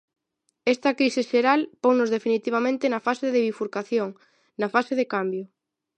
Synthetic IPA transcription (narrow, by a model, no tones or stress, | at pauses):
ɛst̪ɐkɾiseʃeɾalpoŋnʊzðefinit̪iβamẽnt̪enɐfaseðeβifuɾkaθjoŋ | nɐfaseðekambjʊ